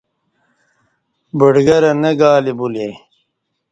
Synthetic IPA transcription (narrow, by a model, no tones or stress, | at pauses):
bəɖɡɐɾɐnɐɡaːlibuleː